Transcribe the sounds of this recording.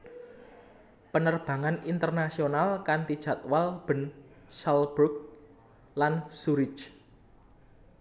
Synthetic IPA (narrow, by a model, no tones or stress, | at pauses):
pənərb̥ä̤ŋanint̪ərnasionalkant̪id̥ʒ̥ä̤t̪walb̥ə̤n | salbɾuk̚ | lansuɾɪt͡ʃ